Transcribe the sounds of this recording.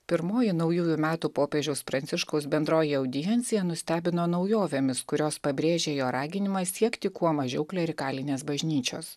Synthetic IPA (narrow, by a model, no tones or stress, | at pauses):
pʲɪɾmoːjɪnɐʊjuːjumʲæːt̪upoːpʲeːʒʲɛʊspɾɐnʲt̪ʲɪʃkɐʊsbʲɛnd̪ɾoːjɪɛʊd̪ʲɪjɛnʲt̪sʲɪjɛnʊsʲt̪ʲæːbʲɪnoːnɐʊjoːʋʲeːmʲɪskʊɾʲoːspɐbʲɾʲeːʒʲeːjoːɾɑːɡʲɪnʲɪmɑːsʲiɛkt̪ʲɪkuɔmɐʒʲɛ̰ʊklʲɛɾʲɪkɑːlʲɪnʲeːsbɐʒʲnʲiːt͡ʃʲo̰ːs